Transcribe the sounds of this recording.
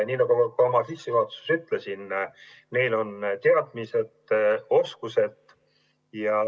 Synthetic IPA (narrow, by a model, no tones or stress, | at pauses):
nʲiːnɑɡ̥ukuomɑsisːivɑːt̪su̥syt̪lesin | ne̞jlo̞nt̪e̞ɑd̪̥mise̞d̪o̞skuse̞d̪̥ˑ | jɑ